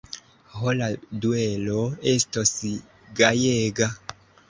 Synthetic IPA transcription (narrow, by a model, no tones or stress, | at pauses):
holadue̞lo̞e̞stos | ɡajeɡa